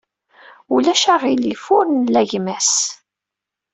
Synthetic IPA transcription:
ulæʃaʁilifʊɾənlæʝmæs

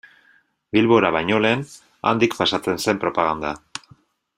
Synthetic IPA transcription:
bilβo̞ɾaβajɲo̞le̞ːn | a̰nd̪ikpasat͡se̞nse̞mpɾo̞paɣ̞and̪a

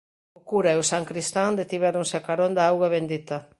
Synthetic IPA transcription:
okuɾaeosaŋkɾist̪and̪et̪iβɛɾoŋseakaɾond̪aawɣaβend̪it̪ɐ

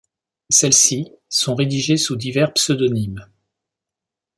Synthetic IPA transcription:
sɛlsi | sɔ̃ʁed̪iʒesud̪ivɛʁpsød̪ɔnim

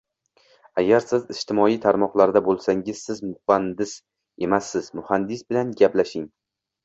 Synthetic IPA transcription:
aɡʲaɾsɪzɪʃt̪ʰɪmɒijt̪ʰaɾmɒqlˠaɾd̪abolˠsaŋɪz̥sɪzmʊhand̪ɪs | e̞masːɪz̥mʊhand̪ɪsbɪlanɡʲaplaʃɪŋ

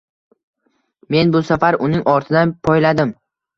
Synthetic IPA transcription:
me̞nbʊsafaɾʊnɪŋɒɾt̪ʰɪd̪anpʰɒjlad̪ɪm

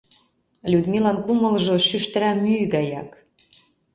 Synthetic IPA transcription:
lʲud̪milɑnkumɤ̆lʒɤ̆ʃyʃt̪ɘ̆ɾæmyɣɑjɑ̰k

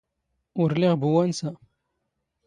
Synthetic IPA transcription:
ʊɾlɪʁbuwænsæ

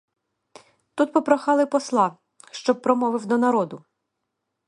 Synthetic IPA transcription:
t̪ut̪pɔpɾɔxɑlˠɪpɔslˠɑ | ʃt͡ʃɔb̚pɾɔmɔʋɪwd̪ɔnɐɾɔd̪ʊ

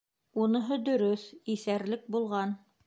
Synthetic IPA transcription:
unɤ̆ɦɤd̪ɵ̆ɾɵθiθæɾlɘk̚bulˠʁɑn

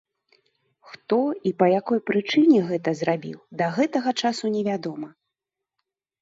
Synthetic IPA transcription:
xt̪ɔipɐjakɔjpɾɨt͡ʂɨnʲɛɣɛt̪ɐzrabʲḭwd̪ɐɣɛt̪ɐɣɐt͡ʂasunʲɛvʲad̪ɔmɐ

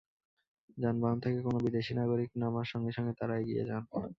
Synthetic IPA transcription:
d͡ʑanbant̪ʰekekonobid̪eʃinaɡoɾiknamaɾʃɔŋɡeʃɔŋɡet̪aɾaeɡiḛd͡ʑan

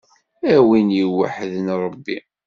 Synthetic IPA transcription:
æwinjiwːa̰ħəðnɾˤəbːi

